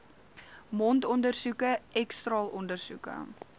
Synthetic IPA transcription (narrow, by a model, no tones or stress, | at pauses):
mɔntɔndərsukəɛkstrɑːlʔɔndərsukə̰